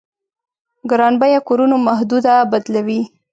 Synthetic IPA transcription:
ɡɾɑnbajakoɾunomaɦd̪ud̪abad̪lawi

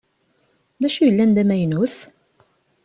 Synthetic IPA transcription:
ðæʃujəlːænd̪æmæjnuθ

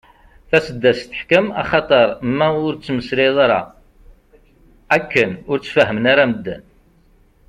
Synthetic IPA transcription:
θæsəd̪ːæst̪ə̥ħkəmɑ̰χɑt̪ˤəɾˤmːæʊɾt͡sːməsɾɪðˤɑɾɑ̰ | ækːənʊɾt͡sːfəɦəmənaɾæməd̪ːə̰n

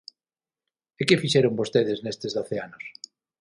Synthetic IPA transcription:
ekɪfiʃeɾʊŋbost̪eðɪznest̪ezðoθeanʊs

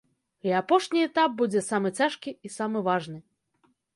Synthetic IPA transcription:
iapɔʂnʲiɛt̪ap̚bud͡zʲɛsamɨt͡sʲaʂkʲiːsamɨvaʐnɨ

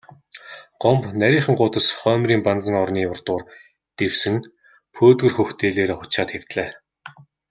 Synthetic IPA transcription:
ɢ̥ɔmpnæɾʲiːχə̆ŋɢʊːt̪ə̆sχœːmriːmpant͡sə̆ŋɔrniːʊrt̪ʊːr | t̪ewsɘ̆ŋ | pʰoːt̪ɣɵ̆rxɵxt̪eːɮeːɾeχʊt͡ɕaːt̪xew̥t̪ɮeː

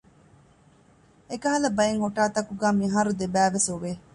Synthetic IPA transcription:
ekɐɦɐlɐbɐeŋhoʈaːt̪ɐkuɡaːmiɦaːɾud̪ebæːʋesoʋeː

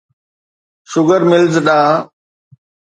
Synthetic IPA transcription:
ʃʊɡəɾmɪlzɗaː

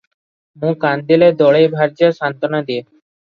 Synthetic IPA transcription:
mũkand̪iled̪ɔɭejbʱaɾd͡ʑaʃant̪onad̪ie

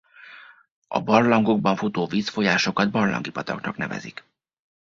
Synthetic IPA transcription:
ɒ̰bɒrlɒŋɡo̞ɡ̚bɒɱfut̪oːviːsfo̞jaːʃo̞kɒd̪bɒrlɒ̰ŋɡipɒt̪ɒknɒknɛvɛ̰zik

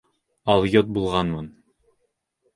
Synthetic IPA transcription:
ɑlˠjot̪̚bulˠʁɑnmɤn

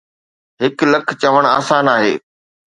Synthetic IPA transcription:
ɦɪklɐkʰt͡ɕɐʋəɽ̃a̰ːsaːnaːɦeː

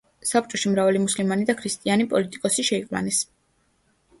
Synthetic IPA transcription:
sap̚ʰt͡ʃʼɔʃimɾavalimuslimanid̪akʰɾist̪ʼianipʼɔlit̪ʼi̥kʼɔsiʃɛiqʼla̰nɛs

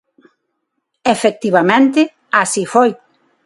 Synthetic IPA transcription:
efek̚t̪iβ̞amẽnt̪ɪ | asifoj

